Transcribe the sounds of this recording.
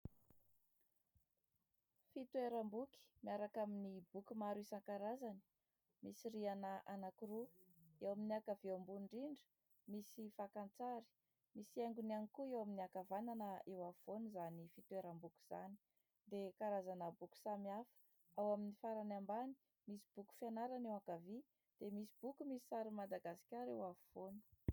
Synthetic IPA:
fit̪weɾambuki̥miaɾakaminibukumaɾisaŋkaɾazani̥ | misirianəʔanakiruewaminiakavembuɳɖ͡ʐiɳɖ͡ʐə̥ | misifakant͡saɾi̥ | misieŋɡunanikuewaminiakavananəewavuvonuzanifit̪weɾambuku̥z̥a̰ni̥ | d̪ekaɾazanəbuku̥samiafə̥ | awaminifaɾanambani̥ | misi̥b̥uku̥fianaɾanewakavi | d̪̥emisib̥ukumisi̥t͡saɾimad̪aɡasi̥kʲaɾewavuvonu̥

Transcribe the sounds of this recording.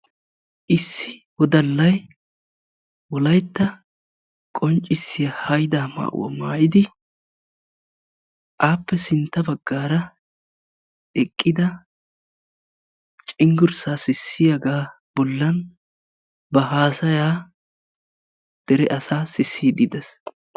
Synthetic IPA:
ʔɪsːɪwɔd̪ɐlːɐj | wɔlɐjt̪ːɐ | kʼɔnt͡ʃʼːɪsːɪjahɐjd̪aːma̰ːʔwɔ̰ma̰ːʔɪd̪ɪ | ʔaːpːɛsɪnt̪ːɐbɐɡːaːɾɐ | ɛkʼːɪd̪ɐ | t͡ʃʼɪŋɡʊɾsaːsɪsːɪjaɡaː | b̥ɔlːɐn | bɐɦaːsɐjaː | d̪̥ɛɾɛʔɐsaːsɪsːiːd̪ɪd̪ɛs

